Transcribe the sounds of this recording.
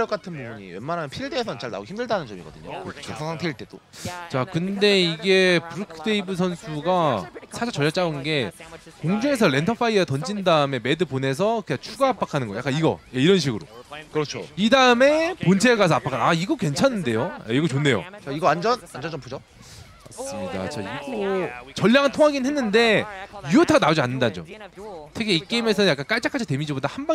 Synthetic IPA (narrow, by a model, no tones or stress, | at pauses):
jʌk͈atʰɯnbubuɲḭwenmaɾɦamnpʰiiɭdeːsʰʌt͡ɕaɭna̰ɡoçimdɯɭdanɯnd͡ʑʌmiɡʌdɯɲo̰kɯɾʌt͡ɕʰosʰaŋsʰaŋtʰeiɭt͈e̞dot͡ɕakɯnde̞iɡe̞pɯɾɯkʰɯde̞ibɯs̬ʰʌnsʰuɡasʰad͡ʑat͡ɕʌʎʌt͡ɕ͈aɯnɡe̞koŋd͡ʑoe̞sʰʌɾe̞ntʰʌpʰaitʌnd͡ʑindaɯme̞me̞dɯpone̞s̬ʰʌkɯɲat͡ɕʰuɡaːp͈akʰanɯnɡʌjak͈aniɡʌ̰je̞iɾʌnɕ̬ʰiɡɯɾo̰kɯɾʌt͡ɕʰo̰idaɯme̞pont͡ɕʰeɭɡas̬ʰʌap͈akʰannaiɡʌkwe̞nt͡ɕʰanːɯnde̞joa̰iɡʌt͡ɕonːe̞jo̰t͡ɕaiɡʌand͡ʑʌnand͡ʑʌd͡ʑʌmpʰud͡ʑo | mas͈ɯmɲida̰t͡ɕaiɡot͡ɕʌʎːaŋɯntʰoŋɦaɡinɯnɦe̞nːɯnde̞jujotʰaɡanaod͡ʑianːɯndad͡ʑo̰mtʰekʰeik͈eime̞s̬ʰʌjak͈ank͈aɭt͡ɕ͈akʰad͡ʑʌte̞mid͡ʑibodahamba